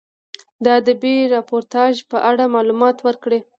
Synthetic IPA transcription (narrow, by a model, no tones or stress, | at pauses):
d̪əad̪əbeɾɑpoɾt̪ɑʒpəʔaɽamɑlumɑt̪wəɾkɽe